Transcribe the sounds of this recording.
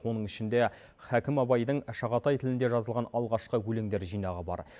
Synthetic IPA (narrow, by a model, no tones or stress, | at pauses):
wo̞nəɴɪʃɪnd̪e | χækʲɪmɑbɑjd̪əɴʃɑʁɑt̪ɑjt̪ʰɪlɪnd̪e̞ʒɑzəlˠʁɑnɑlˠʁɑʃqəwɵleŋd̪e̞ɾʒijnɑʁəbɑ̰ɾ